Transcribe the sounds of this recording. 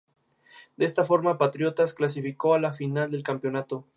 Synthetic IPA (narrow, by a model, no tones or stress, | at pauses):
d̪eest̪afo̞ɾmapat̪ɾjo̞t̪asklas̬ifiko̞alafinald̪e̞lkampjo̞nat̪o̞